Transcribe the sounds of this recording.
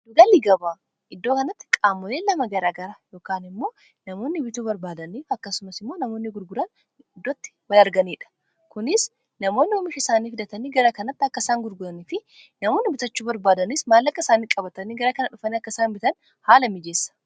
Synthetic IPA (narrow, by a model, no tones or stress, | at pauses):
d̪ʊɡɐliɡɐbaː | ɪd̪ːoːkɐnɐt̪ːɪ̥kʼaːmːɔleːlɐmɐɡɐɾaːɡɐɾajo̞ːkaːnɪmːo̞ː | nɐmo̞ːnːɪbɪt̪uːbɐɾbaːd̪ɐniːfɐkːɐsʊmɐsɪmːo̞ːnɐmoːnːɪɡʊɾɡʊɾɐn | ɪd̪ːoːt̪ːɪ̥wɐlɐɾɡɐniːᶑɐ̥ | kʊnɪs | nɐmo̞ːnːɪɔmɪʃɪsaːniːfɪd̪ɐt̪ɐniːɡɐɾɐkɐnɐt̪ːɪɐkːɐsaːŋɡʊɾɡʊɾɐniːfɪ | nɐmo̞ːnːɪbɪt̪ɐt͡ʃːuːbɐɾbaːd̪ɐnismaːlːɐkːɐɪsaːniːkʼɐbɐt̪ɐniːɡɐɾɐkɐnɐᶑʊfɐniːɐkːɐsaːnbɪt̪ɐn | haːlɐmɪd͡ʒe̞ːsːɐ̥